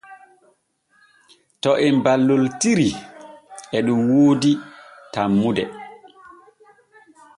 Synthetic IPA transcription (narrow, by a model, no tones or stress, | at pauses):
tɔʔɛmbalːɔltiɾi | ɛɗumwoːditamːudɛ